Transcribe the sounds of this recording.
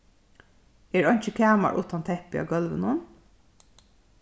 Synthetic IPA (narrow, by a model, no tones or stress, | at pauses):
eːɹɑɲt͡ʃəkʰæːmɑ̰ɹʔʊ̰ːt̪ɑnt̪ʰɛpɪɑ̰ɡɑlʋənʊn